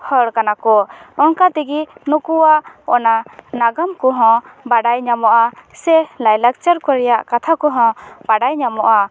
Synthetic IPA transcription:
hɔɽkanakɔɔŋkat̪ɛɡinukuaɔnanaɡamkɔɦɔ̃baɖajɲamɔʔasɛlajlak̚t͡ʃəɾkɔɾɛjaʔkat̪ʰakɔɦɔ̃b̥aɖajɲamɔʔa

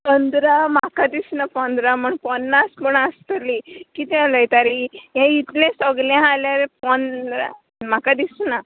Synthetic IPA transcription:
pənd̪ɾamakad̪isnapənd̪ɾaməɳpɔnːaspəɳast̪əlikit̪ɛ̃aləjt̪aɾijãit̪lẽsɔɡlɛ̃aljaɾepɔnɾa̰ | m̤akad̪isna

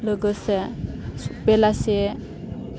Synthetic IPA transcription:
ləɡəse | pelase

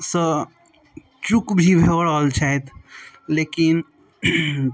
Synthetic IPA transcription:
sə | t͡ʃukbʱibʱeɽalt͡ʃʰaet̪ʰ | lekin

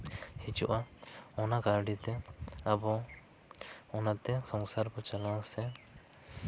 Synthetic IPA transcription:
hit͡ʃuʔaɔnakaɾɖit̪ɛabɔ | ɔnat̪ɛsɔŋsaɾbɔt͡ʃalãsɛ

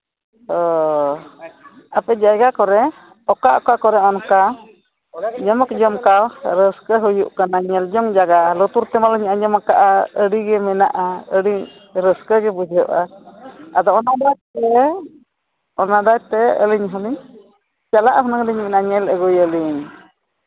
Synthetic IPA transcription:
hɔ | apɛd͡ʒajɡakɔɾɛ | ɔkaʔɔkakɔɾɛɔnka | ɲəmɔkd͡ʒɔmkawɾəskəɦujuʔkanaɲɛld͡ʒɔŋd͡ʒaɡalɔt̪uɾt̪ɛmalɔɲaʔaɲəmakaʔaəɽiɡɛmɛna̰ʔaəɽi | ɾəskəɡɛbud͡ʒəʔa | ad̪ɔɔnad̪at̪ɛ | ɔnad̪at̪ɛə̰liɲɦɔniɲ | t͡ʃalaʔɦɔnəŋliɲmɛnaɲɛləɡujəliɲ

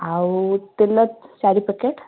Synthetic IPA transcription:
awt̪elət̪saɾipikeʈ

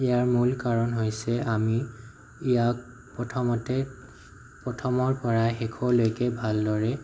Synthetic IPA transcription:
ɛaɹmulkaɹɔnɦojsɛami | ijak̚ | pɹɔtʰɔmɔtɛ | pɹɔtʰɔmɔɹpɔɹaxɛkʰɔlojkɛbʱaldɔɹɛ

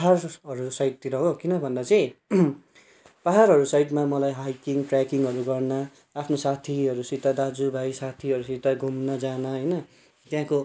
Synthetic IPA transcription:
paɦarɦʌɾusajʈt̪iɾʌɦokinʌbʱʌnd̪at͡sʌ̃j̃ĩ | paɦaɾɦʌɾusajʈmamʌlajɦajkiŋʈrakiŋɦʌɾuɡʌrnaː | pʰnosat̪ʰiɦʌɾusit̪ad̪ad͡zubʱajsat̪ʰiɦʌɾusit̪aɡʱumnʌd͡zanʌɦʌjnʌ | t̪jãko

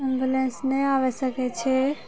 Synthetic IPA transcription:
embjulensnɛaʋɛsəkɛt͡ʃʰɛ

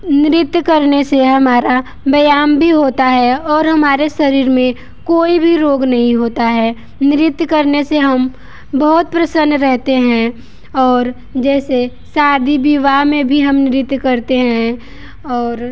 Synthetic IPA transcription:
nɪɾɪt̪jkɐɾneseɦɐmaːɾa | bɐjaːmbʱiɦoːt̪aɦɛɔːɾɦɐmaːɾeʃɐɾiːɾmẽ | koːibʱiɾoːɡnɐɦĩɦoːt̪aɦɛː | nɪɾɪt̪jkɐɾneseɦɐm | bɐɦʊt̪̚pɾɐsə̃nːɾɛɦt̪eɦɛ̃ | ɔːɾ | d͡ʒɛːse | saːd̪ʱibiʋamẽbʱiɦɐmnɪɾɪt̪kɐɾt̪eɦɛ̃ | ɔːɾ

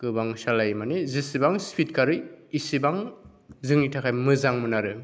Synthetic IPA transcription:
kɯbaŋsalajmanezisibaŋspʰit̚kaɾɯjisibaŋ | zɯŋitʰakʰajmɯzaŋmɯnaɾɯ

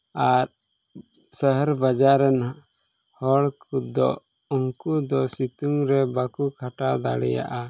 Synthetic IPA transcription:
aɾ | səɦəɾbad͡ʒaɾɛnɦaʔ | hɔɭkʰut̪d̪ɔ̰ | ɔŋkud̪ɔsit̪uŋɾɛbakukʰaʈad̪a̰ɽɛ̰ja̰ʔa

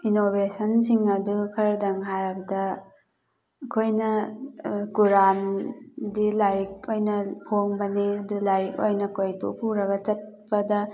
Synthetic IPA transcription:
inobesɐnsiŋɐdukʰɐɾdɐŋɦaɾɐbɐdɐ | ɐkʰojnɐ | kuɾandilaɾik̚ojnɐpʰoŋbɐniɐdulaɾikojnɐkojbṵpʰuɾɐɡɐt͡ʃɐt̚pɐdɐ

